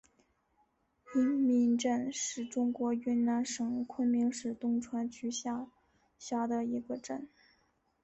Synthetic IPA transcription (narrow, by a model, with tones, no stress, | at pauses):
i˧˥ŋmi˧˥ŋʈ͡ʂə˥˧nʂɻ̩˥˩ʈ͡ʂʊ˥ŋkwɔ˧˥y˥nna˧˥nʂɤ˨˩ŋkʰwə˥nmi˧˥ŋʂɻ̩˨˩t̪ʊ˥ŋʈ͡ʂʰwa˧˥nt͡ɕy˧˥ɕa˥˩ | ɕja˥˩d̪ə˨i˧˥ɡə˧ʈ͡ʂə˥˩n